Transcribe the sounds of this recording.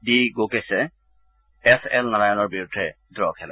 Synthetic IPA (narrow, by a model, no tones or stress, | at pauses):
biɡokesɛ | ɛsɛ̰lnalajɔnɔɹbiɹudʱːɛ | d̪ɹɔkʰɛlɛ̰